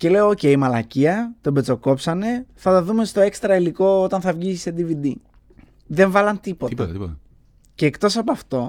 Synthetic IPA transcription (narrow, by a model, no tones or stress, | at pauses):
ce̞le̞ooce̞imɐlɐciɐt̪o̞bet͡so̞ko̞psɐne̞θɐt̪ɐðume̞st̪o̞e̞kst̪ɾɐiliko̞ot̪ɐnθɐvʝiised̪ivid̪i | ðe̞ɱvɐlɐnt̪ipot̪ | ce̞ːkt̪o̞sɐpoɐft̪o̞